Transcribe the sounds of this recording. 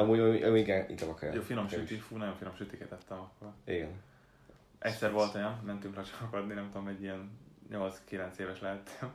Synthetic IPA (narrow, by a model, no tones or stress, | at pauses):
ɒmuːɟɒiɡɛnḭɡɛmɒkːj̰joːfinomʃyt̪ifuːnɒjoɱfinomʃyt̪ikɛt̪ɛt̪ːɛmɒkːo̞riɡɛn | ʔɛctʲsɛrʋo̞lt̪ojɒnmɛnt̪yŋklɒʃɒ̥mɒkɒd̪ninɛmt̪od̪omɛɟːijɛnɲolskilɛnt̪seːvɛʃlɛɦɛt̪ʰːɛm